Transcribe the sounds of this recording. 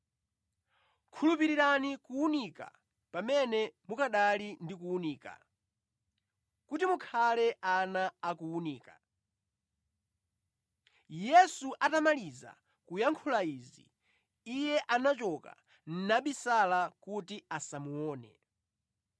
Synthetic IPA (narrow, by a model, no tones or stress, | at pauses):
kʰulup̬iɾiɾanikuunika̰ | pamɛnɛmukaɗalindikuuniːka̰ | kutimukʰalɛʔanaːkuuniːkḁ | jɛsuʔatamaliza̰ | kujaŋkʰulaiːzḭ | ijɛʔanat͡ʃɔka̰ | n̩naɓisalakutiasamuɔːnɛ̰